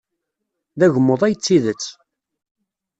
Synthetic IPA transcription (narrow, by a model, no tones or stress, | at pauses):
ðæʝəmːoðˤæjət͡sːiðət͡sː